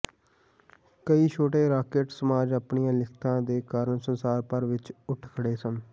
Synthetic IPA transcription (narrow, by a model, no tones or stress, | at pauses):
kəiːt͡ʃʰoːʈeːɾaːkeːʈsəmaːd͡ʒapɳijãːlɪkʰt̪ãːd̪eːkaːɾəɳsənsaːɾpəɾʋɪt͡ʃʊʈʰkʰəɽeːsən